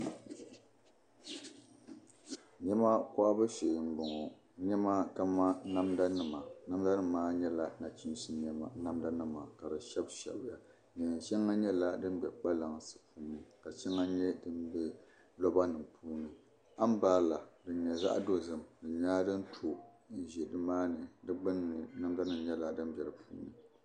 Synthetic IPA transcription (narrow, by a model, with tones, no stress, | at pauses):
ɲɛ˦ma˦kɔ˦ʔa˦bɨ˦ʃe˨m̩˦bɔ˨ŋɔ˨ | ɲɛ˦ma˦ka˦ma˦na˦mda˦nɨ˨ma˨na˦mda˦nɨ˦maː˦ɲɛ˦la˨na˨t͡ʃi˦n˦si˦ɲɛ˨ma˨na˦mda˦nɨ˦ma˨ka˨dɨ˨ʃɛ˦bʃɛ̰˨bja˨ | ɲɛ˨ʃɛ˦ŋːa˦ɲɛ˦la˦dɨ˦n˦bɛ˨k͡pa˦la˨ŋsɨ̥˨puː˦nɨ˨ka˨t͡ʃɛ˦ŋːa˦ɲɛ˦dɨ˦nbɛ˦ | lɔ˦ba˦nɨ˨mpuː˦nɨ˨ | a˦m˦baː˦˨la˨dɨ˨ɲɛ˨za̰˦ʔdo˦zɨ˨mdɨ˨ɲaː˦dɨ˦n˦tʰo˨ | n̩˨ʒɛ˨dɨ˦maː˦nɨ˨dɨ˦ɡ͡bɨ˦nɨ˨na˦mda˦nɨ˨mɲɛ˦la˨dɨ˦n˦bɛ˨ɾɨ˨pʰṵː˦nɨ̰˨